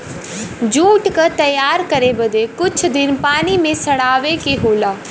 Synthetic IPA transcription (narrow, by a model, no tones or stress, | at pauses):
d͡ʒuːʈkət̪əjaːɾkəɾeːbəd̪eːkʊt͡ʃʰd̪ɪnpaːniːmẽsəɽaːʋeːkeːɦoːlaː